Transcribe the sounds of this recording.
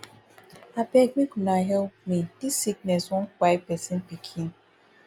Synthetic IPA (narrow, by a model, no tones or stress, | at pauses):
abɛɡɡ͡bikunaɦɛlp̚midisik̚nɛswɔkʷajpɛsin̩pikʰin